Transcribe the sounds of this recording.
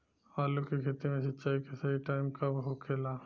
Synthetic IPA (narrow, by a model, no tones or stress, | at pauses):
aːlukekʰet̪imẽʃɐtːt͡ʃaːikesɐɦiʈaːɪmkabɦokʰeːlaː